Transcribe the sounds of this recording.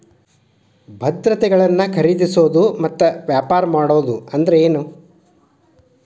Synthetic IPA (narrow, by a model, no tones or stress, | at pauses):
bʱɐd̪ɾɐt̪ɛɡɐɭɐnːɐkʰɐɾid̪isoːd̪umɐt̪ːɐʋjaːpaːɾɐmaːɽoːd̪uɐnd̪ɐɾeeːnu